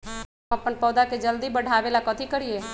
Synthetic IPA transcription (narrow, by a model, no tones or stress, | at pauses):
əpənpɔːd̪aked͡ʒəld̪ibəɽʱabelakət̪ʰikəɾie